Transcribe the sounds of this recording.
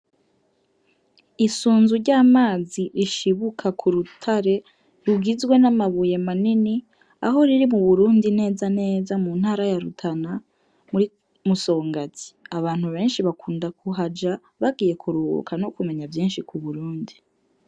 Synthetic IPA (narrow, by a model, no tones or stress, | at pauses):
isuːnzuɾɟaːmaːziɾiʃiβukʰakʰuɾutʰaɾe̞ | ɾuɡizɡwe̞namaβuje̞manini | a̰ɦo̞ɾiɾimuβuɾuːndine̞ːzane̞ːzamuːn̥haːɾajaɾutʰana | muɾi | muso̞ːŋɡati̥aβaːn̥huβe̞ːnʃiβakʰuːndakuɦad͡ʒa | βaɡiːje̞kʰuɾuṵkʰano̞kume̞ɲavjiːnʃikuβuɾuːndi